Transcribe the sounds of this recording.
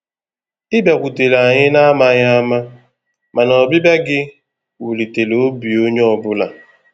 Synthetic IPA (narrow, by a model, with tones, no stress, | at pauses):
ɪ˦be˨kʷu˨te˨la˨ɲɪ˦na˦ma˦ɲa˦ma˦ | ma˨nɔ˨bi˦ba˦ɡɪ˦ | wu˨li˨te˨lo˨˦bi˨o˦ɲe˦ɔ˨bʊ˦la̰˨